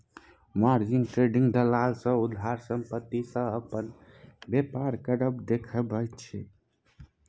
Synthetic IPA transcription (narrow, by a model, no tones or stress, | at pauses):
maɾd͡ʒiŋɡʈɾeɖĩŋɡd̪əlalsə̃ud̪ʱːaɾsəmpət̪ːisə̃əpən | bepaɾkəɾəbd̪ekʰəbəjt̪t͡ʃʰɛ